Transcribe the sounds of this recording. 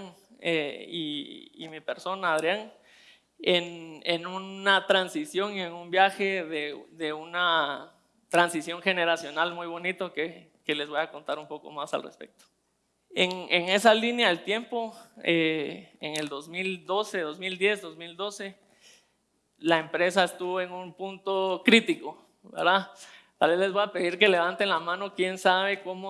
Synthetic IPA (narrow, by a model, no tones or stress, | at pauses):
ŋ | ḛḭːmipe̞ɾso̞naːðɾjaŋ | enenunat̪ɾansisjo̞ŋie̞numbjaxeðeðeuna | t̪ɾansisjo̞ŋxe̞ne̞ɾasjo̞nalmujβo̞nit̪o̞ke | kele̞zβojako̞nt̪aɾumpo̞ko̞̰masa̰lrḛspḛk̚t̪o̥ | eŋeŋe̞salinjaðelt̪je̞mpo̞eeŋe̞ld̪o̞zmild̪o̞se̞ðo̞zmild̪je̞zd̪o̞zmild̪o̞se̞ | laempɾe̞s̬aest̪uβoe̞ŋunpunt̪o̞kɾit̪iko | be̞̰ɾðat̪alβe̞zlezβojape̞ðiɾke̞le̞βant̪enlamãno̞kje̞nsaβe̞ko̞mo